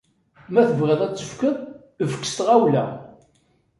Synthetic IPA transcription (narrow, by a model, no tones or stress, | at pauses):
mæθəvʁəðˤæt͡sːəfkəðˤ | fə̥kːə̥st̪ʁæwlæ